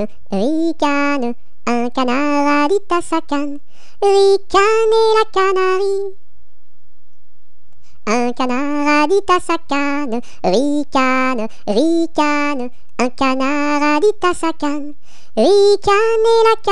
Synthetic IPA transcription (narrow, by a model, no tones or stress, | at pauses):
ʁikanə | ɛ̃kanaʁad̪it̪asakan | ʁikanɛlakanaʁi | ə̃kana | ʁad̪it̪asaka | nə | ʁikanə | ʁikan | ɛ̃kanaʁad̪it̪asakan | ʁikanɛlak